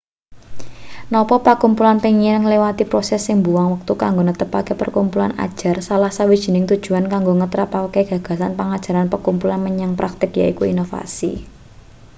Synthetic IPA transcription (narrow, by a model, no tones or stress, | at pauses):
nɔpɔpəkumpulanpeŋinəŋlewat̪ipɾɔsɛsːɪŋbuwaŋwək̚t̪ukaŋɡonət̪əpakepə̰rkumpulana̰d̥ʒ̥a̤rsalahsawid̥ʒ̥i̤nɪŋt̪ud̥ʒ̥ṳankaŋɡoŋət̪ɾapakeɡ̥a̤ɡ̥a̤sanpaŋad̥ʒ̥a̤ɾanpəkumpulanməɲaŋpɾak̚t̪ɪkjaikuinofa̰sḭ